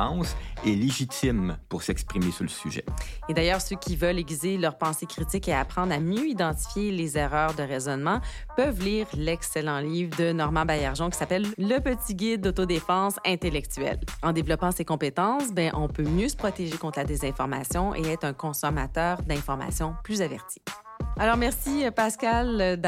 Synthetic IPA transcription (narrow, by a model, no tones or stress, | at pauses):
sɛleʒit̪ɪmpuʁsɛkspχimesyʁləsyʒɛ̰ed̪ajœːʁsøkʲivœleɡʲizelœʁpɑ̃sekʁit̪ɪkeapχɑ̃d̪ʁamjøid̪ɑ̃t̪i̥fjelezɛʁœːʁd̪əʁezɔnmɑ̃pœvliːʁlɛkselɑ̃liːvd̪ənɔʁmɑ̃bajaʁʒɔ̃kʲi̥sapɛlːəpət̪iɡʲɪd̪̚ːot̪od̪efɑ̃ːsɛ̃t̪elɛk̚t̪yɛ̰lɑ̃d̪evlɔpɑ̃sekɔ̃pet̪ɑ̃sbɛ̃ʔɔ̃pømjøsə̥pχɔt̪eʒekɔ̃t̪χlad̪ezɛ̃fɔʁma̰sjɔ̃ʔḛɛːt̪χɛ̃kɔ̃sɔma̰t̪œːʁd̪ɛ̃fɔʁma̰sjɔ̃plyzavɛ̰ʁt̪i̥ | alɔːʁmɛʁsipaskʲald̪